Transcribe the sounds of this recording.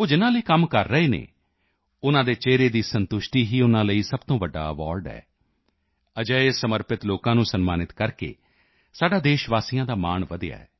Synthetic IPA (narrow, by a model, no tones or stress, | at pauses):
oːd͡ʒɪnãːləiːkəmkəɾːəeːnḛː | ʊnãːd̪eːt͡ʃeːɾeːd̪iːsənt̪ʊʃʈiːɦiːʊnãːləiːsəbt̪õːʋəɖːa̰ːəʋaːɾɖɛ̰ː | əd͡ʒəeːsəməɾpɪt̪loːkãːnũːsənmaːnɪt̪kəɾkḛː | saːɖaːd̪eːʃʋaːsijãːd̪aːmaːɳʋəd̪ɪja̰ːɛ̰ː